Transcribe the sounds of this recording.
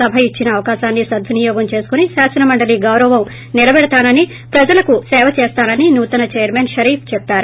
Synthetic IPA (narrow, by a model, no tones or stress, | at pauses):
ɐbʱɐit͡ʃːinɐːʋɐkaːʃaːnːisɐd̪ʱːɐnijɔːɡɐmt͡ʃe̞ːsu̥kunisaːsɐnɐmɐɳɖɐliɡɐwɾɐʋɐm | nilɐbɛɽɐt̪aːnɐni | pɾɐd͡ʒɐlɐkusɛːʋɐt͡ʃeːst̪aːnɐninuːt̪ɐnɐt͡ʃeːjɐɾmeːnʃɐɾiːpʰt͡ʃɛpːaːɾu